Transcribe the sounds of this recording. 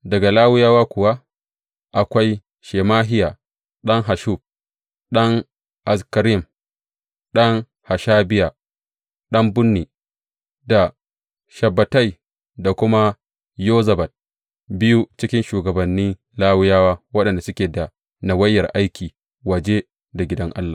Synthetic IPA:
dɐ˨ɡa˨laː˦wʊ˦jaː˦waː˦kʷʊ˨wa˦ | ʔa˨kʷa˦j | ʃeː˨maː˦ɦɪ˦jaː˨ | ɗɐ˦ŋɦa˨ʃu˦˨b̚ | ɗɐ˦ŋ | ʔa˨skɐ˨ɾɪ˨m | ɗɐ˦ŋ | ha˨ʃaː˦bɪ˦ja˨ | ɗɐ˦mbʊ˦nːiː˨ | da˨ | ʃɐ˨bːɐ˨ta˦˨j | da˨kʷʊ˦ma˦ | joː˦zɐ˨bɐ˨t̚ | bɪ˦ju˦t͡ʃɪ˦kʲɪ˦nʃuː˨ɡɐ˨bɐ˨nːiː˦ | laː˦wʊ˦jaː˦waː˦wɐ˦ɗɐ˨nda˨sʊ˦kʲeː˨da˨ | na˨wɐ˦jːɐ˨rʔa˦jkʲʰiː˨ | wɐ˨d͡ʒe˦ | da˨ɡʲɪ˦dɐ˦ŋʔa˦lːaː˨

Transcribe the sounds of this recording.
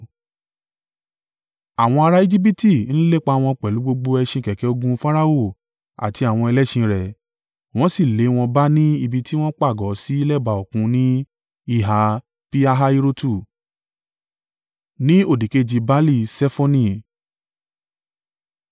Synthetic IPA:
a˨w̃ɔ̃˧a˧ɾa˦i˦d͡ʒi˦p̬i˦ti˦˨ñ̩˦le˦˨k͡pa˧˦w̃ɔ̃˧k͡pɛ˨lu˨˦ɡ͡bo˧ɡ͡bo˧ɛ˧ʃĩ˧kɛ˨kɛ˨˦o˧ɡũ˧fa˦ɾa˦o˦˨ | a̰˨ti˧a˨w̃ɔ̃˧ɛ˧lɛ˦ʃĩ˧ɾɛ˨ | w̃ɔ̃˦si˦˨le˨˦w̃ɔ̃˧ba˦nĩ˦i˦˧˨bi˧ti˦w̃ɔ̃˦k͡pa˦˨ɡɔ˨˦si˦i˦lɛ˦ba˧˨o˨kũ˧˦nĩ˦ | i˦˧˨ɦa˨˦ | pi˦a˧ɦa˧˦i˧ɾo˦tu˦˨ | nĩ˦o˦˨di˨ke˦d͡ʒi˧ba˦li˦˧˨sɛ˦fɔ˦nĩ˦˨

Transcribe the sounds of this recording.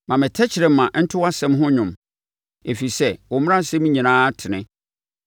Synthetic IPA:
mã˨mɪ̃˨tʰɛ˦t͡ɕʰɪ˨ɾɪ˨m˦mã˨n̩˦tʰɪ˦wa˦sɛ̃˦mɦʊ̃˦ɲʊ̃˨m | e˨fi˨sɛ˦wɔ˨m˦ã˦˨sɛ˦mĩ˦ɲĩ˨nãː˦tʰɪ˨nɪ̃˦

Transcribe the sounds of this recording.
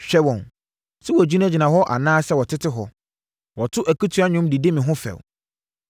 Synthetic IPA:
ɕᶣɛ˦wɔ̃˨n | sɛ˦wɔ˨d͡ʑi˦nã˦d͡ʑi˨nã˨ɦɔ˦ʔa̰˨nãː˦sɛ˦wɔ˨tʰɪ˦tʰɪ˦ɦɔ˨ | wɔ˨tʰʊ˦ʔæ˨ku˦tʰu˨˦a˦ɲʊ̃˦mdi˨di˦mĩ˨ɦʊ̃˦fɛ̰˨w

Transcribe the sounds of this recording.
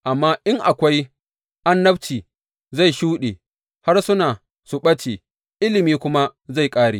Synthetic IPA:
ʔa˨mːaː˦ʔɪ˦ŋʔa˨kʷa˦j | ʔa˦nːɐ˦bt͡ʃiː˨ | za˦˨jʃuː˦ɗeː˨ | ha˦rsʊ˦naː˨ | sʊ˨ɓɐ˦t͡ʃe˨ | ʔɪ˦lɪ˨miː˦kʷʊ˦ma˦za˦˨jkʼaː˦ɽeː˨

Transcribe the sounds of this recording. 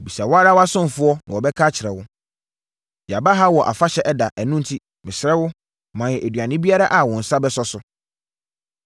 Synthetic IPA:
bi˨sa˨wa˦ɾa˦wa˦sʊ̃˦m̩˨fʊ˦ɔ˦nã˨wɔ˨bɛ˦kʰaː˦t͡ɕʰɪ˨ɾɛ˨wʊ˦ | d͡ʑa˨ba˦ɦa˦wɔ˨ʔa̰˨fa˦ɕɛ˨˦ʔɛ˦da˨ʔæ˨nũ˦n̩˨tʰi˦ | mɪ̃˨sɾɛ˦wʊ˦ | mã˨jɛ˨ʔæ˨dɥa˨nɪ̃˦bi˦a˦ɾa˦ʔa˨wɔ̃˨n̩˨sa˦bɛ˦sɔ˦sʊ˨

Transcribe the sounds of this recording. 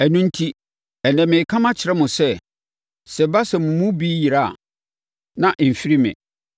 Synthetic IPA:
æ˨nũ˦n̩˦tʰi˦ | ɛ˨nɛ̃˨mɪ̃˨kʰã˦mã˦t͡ɕʰɪ˨ɾɛ˦mʊ̃˨sɛ˦ | sɛ˨ba˦sɛ˨mʊ̃˨mʊ̃˦biː˦ji˨ɾa˦˨a̰˨ | nã˦ʔ̩˨fi˦ɾi˦mɪ̰̃˨

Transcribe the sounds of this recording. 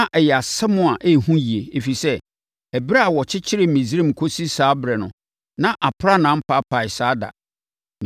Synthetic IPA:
ʔɛ˨jɛ˨a˨sɛ˦mʊ̃˦a˨ʔe˦˨hũ˦ji˨e˨e˨fi˨sɛ˦ | ɛ˨ba˦a˨wɔ˨t͡ɕʰɪ˦t͡ɕʰɪ˦ɾɪ˨mĩ˨zɾẽ˦mkʰo˦si˦saː˦bɾɛ˨nʊ̃˨ | nã˦ʔa˨pʰɾa˦nã˦m̩˦pʰa˦pʰa˨ɪ˨saː˦da̰˨ | n

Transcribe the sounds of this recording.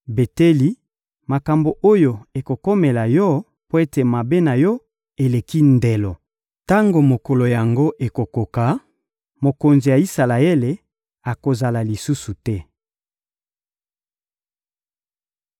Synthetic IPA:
be˨te˦li˦ | ma˨ka˨mbo˨ʔo˦jo˨e˨ko˨ko˦me˨la˨jɔ˦ | po˦e˦te˨ma˨be˦na˨jɔ˦ | e˨le˨ki˦nde˨lɔ˨ | ta˦ŋɡo˨mo˨ko˨lo˨ja˨ŋɡo˦ʔe˨ko˨ko˨ka˨ | mo˨ko˨nzi˨ja˨i˦sa˨la˨e˦le˨ | a˨ko˨za˨la˨li˨su˦su˨tɛ˦

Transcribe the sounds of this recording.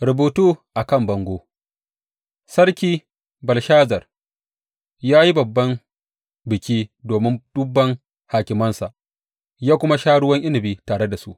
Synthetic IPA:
ɾʊ˨buː˨tuː˦ʔa˨kɐ˦˨mbɐ˨ŋɡʷoː˦ | sɐ˦ɽkʲiː˦ | bɐ˨lʃaː˦zɐ˨r | jaː˦ji˦bɐ˨bːɐ˦m | bɪ˨kʲiː˦doː˨mɪ˦nd̥ʊ˦bːɐ˦ŋ | haː˨kʲɪ˨mɐ˦nsa̰˨ʔ | jaː˦kʷʊ˦ma˦ʃaː˦ɽʊ˦wɐ˦ŋʔɪ˦nɪ˨biː˦taː˨ɽe˦da˨su˦ʔ

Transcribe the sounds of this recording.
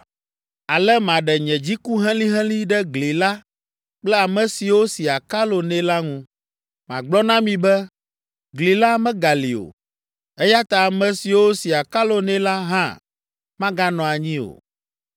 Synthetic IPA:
a˨lɛ˦mã˨ɖɛ˨ɲɛ̃˨d͡ʑi˦ku˦ɦɛ̃˦lĩ˦ɦɛ̃˦lĩ˦ɖɛ˦ɡli˨la˦ | k͡plɛ˦a˨mɛ̃˨si˨wo˦si˨a˨ka˦lo˨nɛ̃˦la˦ŋũ˦ | mã̰˨ɡ͡blɔ˦nã˦mĩ˨bɛ˦ | ɡli˨la˦mɛ̃˦ɡa˨li˨o̰˨ | ɛ˦ja˦t̪a˨a˨mɛ̃˨si˨wo˦si˨a˨ka˦lo˨nɛ̃˦la˦ɦã̰˦ | mã˦ɡa˦nɔ̃˨a˨ɲĩ˦o̰˨

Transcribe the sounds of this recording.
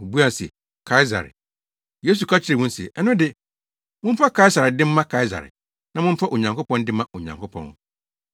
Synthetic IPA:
ʊ̃˨bu˦a˨sɪ̰˨ | kʰa˦ɪ˦za̰˨ɾɪ̰˨ | je˦s̬u˨kʰa˦t͡ɕʰɪ˦ɾɪ˨wʊ̃˦n̩˦sɛ̰˨ʔɛ˦nʊ̃˦dɪ˦ | mʊ̃˦m̩˦fa˦kʰa˦i˦sa˨ɾɪ˨dɪ̃˦m̩ː˦ã˦kʰa˦ɪ˦za̰˨ɾɪ̰˨ | nã˦mʊ̃˦m̩˦fa˦ʔo˨ɲã˨ŋko˦pʰɔ̃˦ndɪ̃˦mã˦ʔo˨ɲã˨ŋkʰo˦pʰɔ̰̃˦nʊ̰˦

